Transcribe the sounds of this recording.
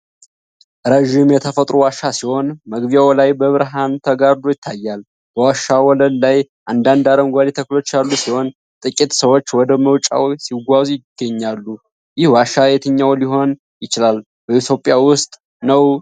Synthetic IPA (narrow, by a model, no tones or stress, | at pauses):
ɾəʒɪmjɛt̪ʰəfət̪ʼɾuwaʃːasiho̞nməɡβijawlajbəβɨɾɦant̪ʰəɡaɾd̪ojɪt̪ʰːajːal | b̥əwaʃːawɔləllajʔand̪and̪aɾəmɡʷad̪it̪ʰəklo̞t͡ʃːalːusiho̞n | t̪ʼɨkʼit̪səwo̞t͡ʃːwɔd̪əməwt͡ʃʼa̰wsiɡʷazjɪɡ̥ːəɲːalːu | jɪhwaʃːajet̪ʰɨɲːawliɦo̞n | jɪt͡ʃɪlal | bəit̪ʰo̞pʼjawʊst̪ʼ | nəw